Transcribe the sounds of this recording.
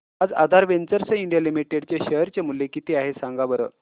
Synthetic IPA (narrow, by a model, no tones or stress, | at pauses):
ad͡za̰d̪ʱaɾʋent͡səɾsəiɳɖijalimiʈeɖt͡ɕeɕəɦəɾt͡ɕamuljekit̪eaɦesãŋɡabəɾə̰ː